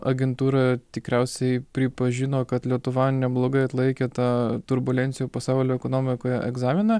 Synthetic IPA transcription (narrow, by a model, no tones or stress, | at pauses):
ʔɐɡʲɛnt̪uːɾɑt̪ʲɪkɾʲæʊsʲɛɪpʲɾʲɪpɐʒʲɪnoːkɐt̪lʲiɛt̪ʊʋɐnʲɛblˠoːɡɐɪɐt̪lˠɐɪkʲeːt̪ɑːt̪ʊɾbʊlʲɛnʲt̪ʲɪjoːpɐsɑʊlʲoːɛkoːnoːmʲɪkoːjɛʔɛɡzɑːmʲɪnɐ